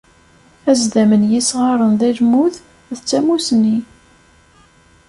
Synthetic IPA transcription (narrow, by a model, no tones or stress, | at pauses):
æzd̪æmənjisʁɑɾˤənðæʒmuθ | ðt͡sːæmusnːi